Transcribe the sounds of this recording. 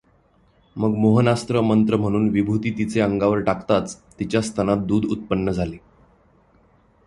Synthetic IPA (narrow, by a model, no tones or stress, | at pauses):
məɡmoɦənast̪ɾəmənt̪ɾəm̤əɽ̃uːnʋibʱut̪iːt̪it͡seəŋɡaʋəɾʈakt̪at͡st̪ːit͡ɕjast̪ʰanat̪̚d̪uːd̪ṵt̪̚pənːəd͡zʱale